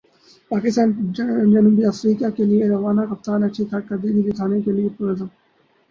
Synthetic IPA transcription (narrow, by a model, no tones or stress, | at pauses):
paːkɪst̪aːnd͡ʒɐnubiɐfɾiːkaːkelijeɾɐʋaːnakɐp̚t̪aːnɐt͡ʃʰikʰɐɾkɐɾd̪iːɡiɡit̪ʰaːnekeliepʊɾəzəm